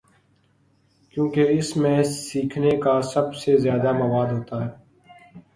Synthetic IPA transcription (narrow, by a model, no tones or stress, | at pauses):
kjõːkeɪsmẽsiːkʰnekasɐbsezjaːd̪amɐʋaːd̪ɦoːt̪aɦɛː